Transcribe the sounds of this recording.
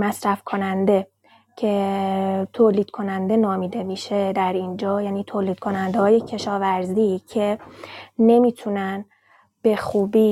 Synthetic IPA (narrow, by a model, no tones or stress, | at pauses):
mæsɾæfkʰonænd̪e̞ | cʰe̞ | t̪ʰoːliːd̪̥̚kʰo̞nænd̪e̞nɒːmiːd̪e̞miːʃe̞d̪æɾind͡ʒɒːjæːniːt̪ʰoːliːd̪̥̚kʰo̞nænd̪ehɒːje̞cʰe̞ʃɒːvæɾzicʰe̞ | ne̞miːt̪ʰunæn | b̥e̞xuːbiː